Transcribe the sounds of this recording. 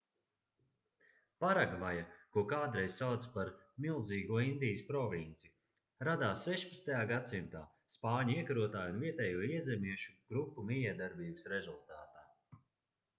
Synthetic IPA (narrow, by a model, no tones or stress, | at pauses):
paɾaɡvajakuɔkaːd̪ɾɛjzsawd̪spaɾmilˠziːɡuɔind̪ijəspɾɔvint̪si | ɾad̪aːsːɛʃpḁtst̪ajaːɡat̪simt̪aː | spaːɲuiɛkaɾuɔt̪aːjunviɛt̪ɛːjuɔiɛzemiɛʃuɡ̥ɾupːumijɛɛd̪aɾbiːbəsɾezulˠt̪aːt̪aː